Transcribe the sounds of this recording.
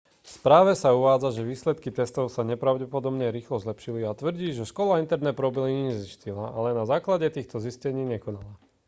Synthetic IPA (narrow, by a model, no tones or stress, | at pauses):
fspɾaːʋɛsauʋaːd͡zaʒɛʋiːslɛt̪kit̪ɛst̪ɔʊsaɲɛpɾaʊɟɛpɔd̪ɔbɲɛɾiːxlɔzlɛpʃiliat̪ʋr̩ɟiːʒɛʃkɔlaint̪ɛɾnɛːpɾɔbiliɲiɲɛziscilaʔalɛnazaːklaɟɛt̪iːxt̪ɔziscɛɲiːɲɛkɔnala